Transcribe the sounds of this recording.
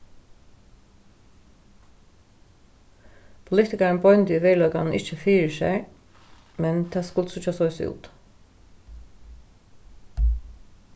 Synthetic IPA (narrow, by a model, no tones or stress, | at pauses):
pʰʊlɪt̪ɪkaɹənbɔʏnt̪əiʋɛːlœʏka̰nn̩ɪht͡ʃəfiːɹəsɛ̰ɹ | mɛnt̪ʰɛːskʊlt̪sʊt͡ʃasɔʏsṵːt̪